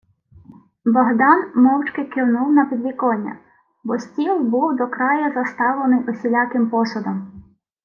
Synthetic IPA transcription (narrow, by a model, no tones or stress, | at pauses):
bɔɦd̪ɑnmɔwt͡ʃkɪkɪwnuwnɐpʲid̪ʲlʲikɔnʲːɐ̰ | bɔsʲtʲilˠbuwd̪ɔkɾɑjɐzɐst̪ɑʋlˠenɪjʔɔsʲilʲɑkɪmpɔsɔd̪ɔm